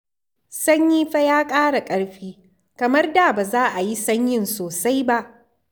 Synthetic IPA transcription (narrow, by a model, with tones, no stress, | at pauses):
sɐ˦ɲjiː˦ɸa˦jaː˦kʼaː˦ɽa˨kʼɐ˦ɽɸiː˦ | kɐ˨mɐ˦rda˨baː˨zaː˦ʔa˨ji˦sɐ˦ɲjɪ˦˨nsoː˨sa˦jba˦ʔ